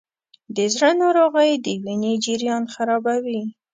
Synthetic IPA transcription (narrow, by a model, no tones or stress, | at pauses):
d̪əzɾanoɾoɣajd̪əwined͡ʒɪɾjɑnxaɾɑbawi